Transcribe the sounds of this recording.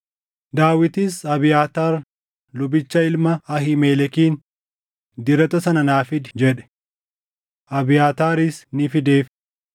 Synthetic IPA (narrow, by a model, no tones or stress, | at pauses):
d̪aːwɪt̪ɪsɐbɪjaːt̪aːɾ | lʊbɪt͡ʃːɐɪlmɐɐɦɪmeːlɛkiːn | d̪ɪɾɐt̪ɐsɐnɐnaːfɪd̪d͡ʒɛᶑɛ̥ | ʔɐbɪjaːt̪aːɾɪsnɪfɪd̪e̞ːf